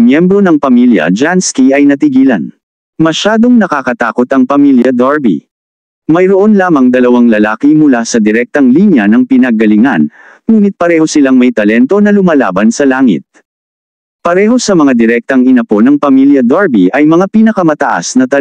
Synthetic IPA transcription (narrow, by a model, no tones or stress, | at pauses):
mjɛmbɾo̞nɐŋpɐmiljɐ̰d͡ʒanskiɐjnɐt̪ɪɡiːlɐ̰n | mɐʃaːd̪o̞ŋnɐkakɐt̪aːko̞t̪ɐŋpɐmiljɐd̪aɹbḭ | mɐjɾoʔo̞nlaːmɐŋd̪ɐlɐwaŋlɐlaːkimʊlasɐd̪ɪɾɛk̚t̪ɐŋlinjɐnɐŋpɪnɐɡ̚ɐlɪŋa̰n | muːnɪt̪̚pɐɾɛːho̞sɪlaŋmɐjt̪ɐlɛnt̪o̞nɐlʊmala̰ːbɐnsɐlaːŋɪ̰t̪̚ | pɐɾɛɦo̞sɐmɐŋad̪ɪɾɛk̚t̪ɐŋɪnɐpo̞nɐŋpɐmiljɐd̪aɹbiʔɐjmɐŋapinɐkɐmɐt̪ɐʔa̰snɐt̪ɐ